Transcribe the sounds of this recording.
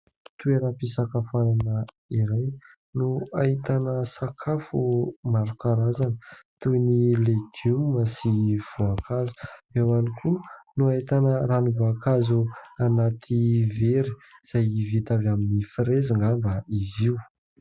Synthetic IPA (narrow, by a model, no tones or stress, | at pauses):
t̪ueɾapisakafaɾanə | iɾaj | nuait̪anəsakʰafumaɾukaɾazanət̪unileɡuməsiv̥oakʰazu̥ewanikʰunuaɦit̪anəɾanivoakazuanat̪ʰiveɾiz̥ajvit̪avaminifiɾeziŋɡambaiziw